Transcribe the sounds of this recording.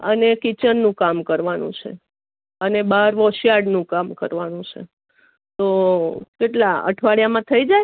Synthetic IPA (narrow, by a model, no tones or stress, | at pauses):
ə̰nekit͡ʃənːũkamkəɾʋanṵ̃t͡ʃʰḛ | ənebaɾʋɔʃijaɖnũkamkə̰ɾʋanũt͡ʃʰḛ | t̪okeʈlaə̰ʈʰʋaɭjamãt̪ʰəid͡ʒaj